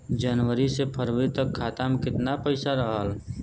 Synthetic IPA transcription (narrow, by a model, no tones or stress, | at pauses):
d͡ʒənwəɾisepʰəɾwet̪əkʰːaːt̪amkɪt̪napəɪsaɾəɦaːl